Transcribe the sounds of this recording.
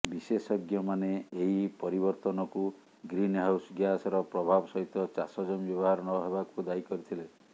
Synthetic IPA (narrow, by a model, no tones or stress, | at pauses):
bisesɔɡjɔmaneeipɔɾibɔɾt̪ɔnɔku | ɡɾinɦawsɡjasɔɾɔpɾɔbʱabɔsɔɦit̪ɔt͡ʃasɔd͡ʒɔmbjɔbɔɦaɾɔnɔɦebakud̪aikɔɾit̪ʰile